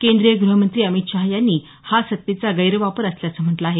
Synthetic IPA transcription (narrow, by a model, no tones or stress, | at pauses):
kend̪ɾijəɡɾuɦəmənt̪ɾiːəmit̪ɕaɦjanːiː | hasət̪ːet͡saɡəjɾəʋapəɾəsljasəm̤əʈlaaɦe